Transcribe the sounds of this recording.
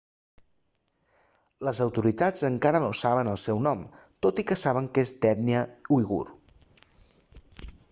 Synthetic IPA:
ləzəwt̪uɾit̪ad͡zəŋkaɾənosaβənəlˠsɛwnɔm | t̪ot̪ikəsaβ̞əŋkezd̪ɛt̪niəuiɣṵɾ

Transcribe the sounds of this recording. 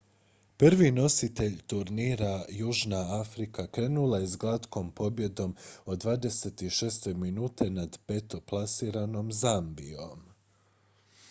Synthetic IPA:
pr̩ʋino̞sit̪e̞ʎt̪uɾniːɾajuːʒnaafɾikakɾe̞ːnulajezɡlˠat̪ko̞mpo̞bje̞d̪o̞mod̪ʋaːd̪e̞se̞t̪iʃe̞ːst̪e̞minuːt̪ʰe̞nad̪pe̞t̪o̞plˠasiːɾano̞mzambio̞m

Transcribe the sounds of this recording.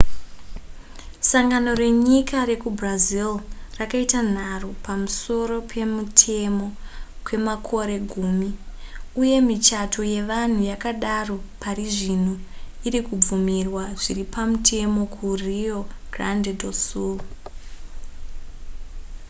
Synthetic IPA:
saŋɡano̞re̞ɲikare̞kubrazilrakaitan̤aropamuso̞ɾo̞pʰe̞mutʰe̞mo̞kwe̞makʰo̞ɾe̞ɡʱuːmiuje̞mit͡ʃatʰo̞je̞ʋan̤ujakaɗaro̞pʰariʐin̤uiɾikub͡vumirwaʐiripamutʰe̞mo̞kʰurioɡ̥randedosul

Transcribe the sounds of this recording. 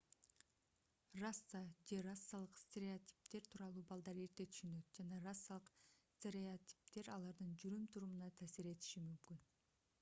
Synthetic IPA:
rasːad͡ʒerasːalˠɯqst̪ʲeɾʲeot̪ʲi̥p̚t̪e̞ɾt̪ʰuːɾɑlˠuːbɑlˠd̪ɑɾe̞ɾt̪e̞t̪ʰy̥ʃynø̞t̪̚d͡ʒɑnɑrasːalˠɯqsʲt̪ʲeɾʲeot̪ʲi̥p̚t̪e̞ɾɑlˠɑɾd̪ɯnd͡ʒyɾymt̪ʰuɾumunɑt̪ʰaːsiɾe̞t̪i̥ʃimymkyn

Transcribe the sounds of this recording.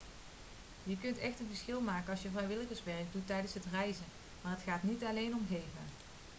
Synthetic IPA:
jəkɵntɛxtənvəɹsxɪlˠmaːkənɑlˠsjəvrɛjʋɪləɣəsʋɛɹɡ̚dutːɛjdənsɦətrɛjzə | maːrɦətχaːtnitɑlejnɔmɣejvə

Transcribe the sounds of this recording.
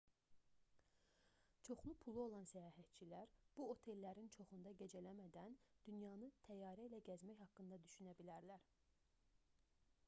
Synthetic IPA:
t͡ʃʰo̞χlˠupʰulˠuo̞lˠɑnsæjɑːɦæt̪̚t͡ʃʰilæɾb̥uo̞t̪ʰe̞lːæɾint͡ʃʰo̞χund̪ɑɟe̞d͡ʒælæmæd̪ænd̪̥ynjɑnɯt̪ʰæjɑːɾæilæɟæzmæçhɑkːɯnd̪ɑd̪yʃynæbilæɾlæɾ

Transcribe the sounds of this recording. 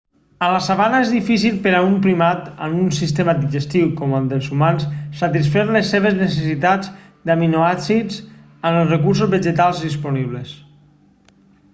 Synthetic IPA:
ənlasaβanaezðifis̬ilˠpeɾaumpɾimat̪ə̰nunsist̪emad̪iʒest̪iwkɔmand̪əlˠzumansːat̪isfɛɾlesːeβ̞eznesesit̪ad͡z | d̪aminoasid͡z | ənəlˠrekuɾsozβeʒet̪alˠzðispuniβles

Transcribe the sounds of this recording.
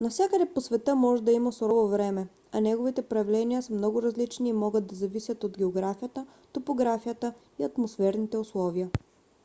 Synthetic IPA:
nɐfsʲjakəd̪ɛposvɛt̪ɤmɔʒɛd̪ɐimɐsɾɔvovɾɛmɛ | ɐnɛɡovit̪ɛpɾɐvlɛniəsəmnɔɡʊɾɐzlit͡ʃniːmɔɡəd̪̚d̪ɐzɐvisʲjət̪od̪ɡʲɛoɡɾafijət̪ə | t̪opoɡɾafijət̪ə | iɐt̪mosfɛɾnit̪ɛʊslˠɔviə

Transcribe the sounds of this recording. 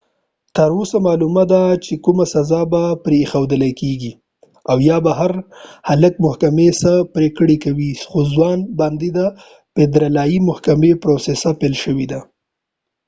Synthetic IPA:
t̪əɾosamɑlumad̪at͡ʃekumasazɑbapɾexawd̪əlajkeɡi | awjɑbaɦaɾhaləkmʊhkamesapɾekɽekawixozwɑnbɑnd̪id̪a | ped̪ɾalɑjimʊhkamepɾosesapelʃəwid̪a

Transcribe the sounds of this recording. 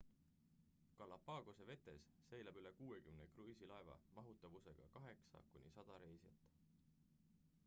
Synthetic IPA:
kɑlːɑpːɑːɡ̥ose̞ve̞t̪ːe̞sːe̞jlɑbylekuːe̞kymnekrysilɑevɑ̰mɑɦut̪ːˑɑvuse̞ɡ̥ɑ̰kɑɦe̞ksɑ̰kunʲisɑd̪̥ɑɾe̞jsjɑ̰t̪ːˑ

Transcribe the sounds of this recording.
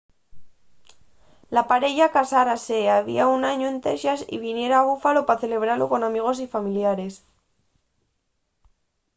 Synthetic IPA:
lapaɾe̞ʎakasaɾase̞aβḭaunaɲoe̞nt̪eʃasḭβinje̞ɾaːβufalo̞paθe̞le̞β̞ɾaloko̞namiɣ̞o̞s̬ifamiljaɾe̞s

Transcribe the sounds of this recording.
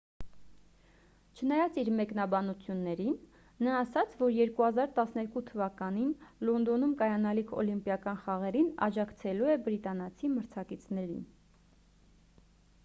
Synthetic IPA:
t͡ʃʰənɑjɑt͡siɾmɛkn̪ɑbɑnut͡sʰjunːɛɾinː | ɑːsɑt͡sʰvɔɾjɛɾkuhɑzɑɾt̪ɑsnɛɾkut̪ʰəvɑkɑninlɔnd̪ɔnumkɑjɑnɑlikʰɔ̰limpjɑkɑnχɑʁɛɾinɑ̰d͡ʒɑkʰt͡sʰɛluɛbɾit̪ɑnɑt͡sʰiməɾt͡sʰɑkit͡sʰnɛɾḭn

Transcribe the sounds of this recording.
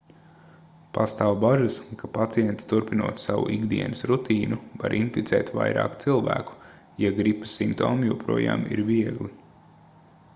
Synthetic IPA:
past̪aːwbaʒaskapat̪sijɛnt̪i̥t̪uɾpinuɔːt̪sawṵʔiɡd̪iɛnɨsɾut̪iːnuva̰ɾʔinfit̪sɛːt̪va̰jɾa̰ːkt̪silˠvæ̰ːku̥ | jaɡɾipḁsimpt̪oːmjuɔpɾuɔja̰ːmḭɾviɛɡlˠi

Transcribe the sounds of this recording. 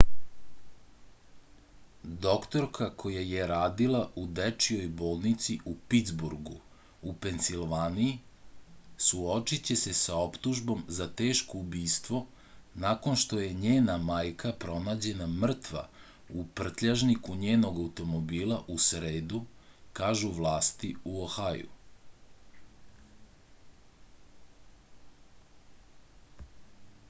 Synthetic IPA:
d̪o̞kt̪o̞ɾkʰakʰo̞jajeɾaːd̪ilˠaʔud̪et͡ʃijo̞jbo̞ːlˠnit̪siʔupit̪zbuɾɡu | upe̞nsilʋaːniji | suo̞t͡ʃit͡ɕe̞se̞sao̞pt̪uʒbo̞mzat̪e̞ːʃkoubiːst̪ʋo̞ | nakonʃt̪o̞je̞ɲeːnamaːjkʰapɾo̞naːd͡ʑe̞namr̩t̪ʋa̰ | upr̩t̪ʎaʒnikuɲe̞ːno̞ɡaut̪o̞mo̞biːlˠaʔusɾe̞ːd̪ukaːʒuʋlˠaːst̪iuoxajṵ

